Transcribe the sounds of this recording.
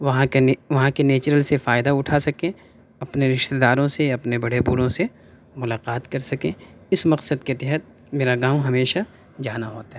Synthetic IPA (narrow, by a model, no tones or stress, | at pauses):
ʋɐɦãʋɐɦãkeneːt͡ʃɾəlsefaːɪd̪aʊʈʰasɐkẽ | ɐpneɾɪʃt̪ed̪aːɾõseɐpnebɐɽebuɽõse | mʊlaːqaːt̪kɐɾsɐkẽ | ɪsmɐqsəd̪ket̪ɛɦət̪̚ | meːɾaɡãːwɦɐmeːʃa | d͡ʒaːnaɦoːt̪aɦɛ